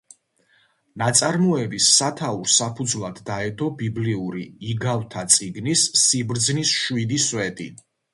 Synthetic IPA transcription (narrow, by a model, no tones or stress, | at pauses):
nat̪sʼaɾmɔɛbisːat̪ʰauɾsapʰud̪zlˠad̪ːaɛd̪ɔbibliuɾiiɡavt̪ʰat̪sʼiɡnisːibɾd̪znisʃwid̪iswɛt̪ʼi